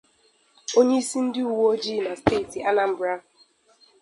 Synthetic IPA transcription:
o˦ɲe˦i˦si˦n̩˦dɪ˦u˨wo˦d͡ʒi˦˨na˨steː˦˨ti˨a˦na˨m̩˨bɾa˦

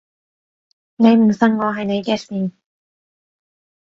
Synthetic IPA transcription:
ne˨˧jm̩˨˩sɐ˧˥ŋŋɔː˨˧ɦɐ˨jne˨˧jkɛː˧˥siː˨˧n

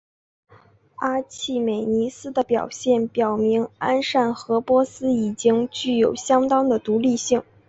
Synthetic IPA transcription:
a˥t͡ɕʰi˥˩me˨˩ɪni˧˥sɹ̩˥d̪ə˨pjɑ˨˩ʊɕjɛ˥˩npjɑ˨˩ʊmi˧˥ŋa˥nʂa˥˩nxɤ˧˥pwɔ˥sɹ̩˥i˨˩t͡ɕi˥ŋt͡ɕy˥˩jo˨˩ʊɕjɑ˥ŋt̪ɑ˥ŋd̪ə˨t̪u˧˥li˥˧ɕi˥˩ŋ

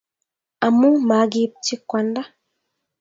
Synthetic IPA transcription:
a˨mu˦ma˨˦ɡi˦p̚ti˦kwa˨nda˦

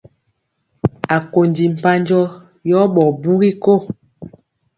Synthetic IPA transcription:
a˨ko˨ndi˨m̩˨pa˦ɲd͡ʒɔ˦ | jɔ˦ɓɔ˨bu˦ɣi˦ko˦˨

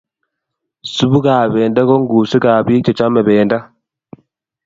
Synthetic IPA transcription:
su˦βu˦kaː˨βeː˨nda˦kɔ˦ŋɡu˨si˦ka˨βi˦t͡ʃɔ˨t͡ʃa˦me˨βeː˨nda˦

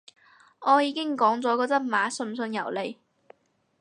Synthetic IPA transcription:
ŋɔː˨˧jiː˨˧kɪ˥ŋkɔː˨˥ŋt͡sɔː˨˥kɔː˧t͡sɐ˥t̚maː˨˧˥sɵ˧nsɵ˧njɐ˨˩wle˨˩j

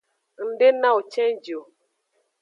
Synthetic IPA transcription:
n̩˨de˦na˦u˨t͡ʃɛ̃˦n˦d͡ʒo˨

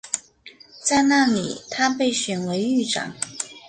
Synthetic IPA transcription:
t͡sa˥˧ɪna˥˩li˨˩˦t̪ʰa˥pe˥˩ɪɕɥɛ˨˩nwe˧˥ɪy˥˩ʈ͡ʂɑ̰˨˩˦ŋ

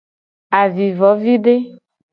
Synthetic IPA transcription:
a˨vi˨vɔ˨˦vi˦ɖe˦

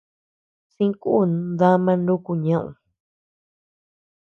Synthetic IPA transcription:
sĩ˦ku˦˨nd̪a˦mã˧ndu˦ku˧ɲã˦˧ʔṵ̃˧˨

